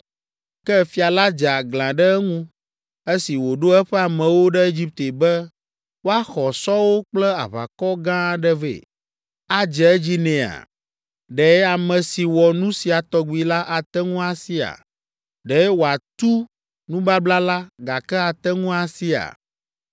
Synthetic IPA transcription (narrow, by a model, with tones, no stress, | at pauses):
kɛ˦fi˨˦a˨la˦d͡ʒa˨ɡlã˨ɖɛ˦ɛ˦ŋũ˦ | e˦si˨wo˨ɖo˦ɛ˦ɸɛ˦a˨mɛ̃˨wo˦ɖɛ˦e˦d͡ʑi˦p̚t̪e˨bɛ˦ | wo˦a˦xɔ˨sɔ˦wo˦k͡plɛ˦a̰˨βa̰˨kɔ˦ɡã˦ɖɛ˦vḛ˨ | a˦d͡ʒɛ˨ɛ˦d͡ʑi˦nɛ̃˨a̰˨ | ɖɛ˨˦a˨mɛ̃˨si˨wɔ˨nũ˦si˨a˨t̪ɔ˦ɡ͡bi˨la˦ʔa˨t̪ɛ˦ŋũ˦a˨si˦a̰˨ | ɖɛ˨˦wo˨a˨t̪u˦ | nũ˦ba˦bla˦la˦ɡa˨kɛ˦a˨t̪ɛ˦ŋũ˦a˨si˦a̰˨